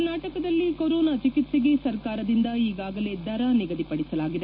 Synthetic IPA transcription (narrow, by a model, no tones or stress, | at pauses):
naːʈɐkɐd̪ɐlːikoɾoːnat͡ʃikit̪seɡe̞sɐɾkaːɾɐd̪ind̪ɐiːɡaːɡɐle̞d̪ɐɾɐniɡɐd̪ipɐɽisɐlaːɡid̪e